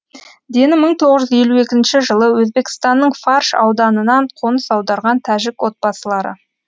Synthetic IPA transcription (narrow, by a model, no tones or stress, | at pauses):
d̪e̞nɪməɴt̪ʰo̞ʁəʒʏzje̞lue̞kʲɪnʃɪʒəlˠəwɵzbe̞kʲɪ̥st̪ɑnːəɴfɑrʃɑ̰wd̪ɑnənɑɴqʰo̞nəsɑwd̪ɑɾʁɑnt̪ʰæʒɪkwo̞t̪̚bɑsəlˠɑɾə̰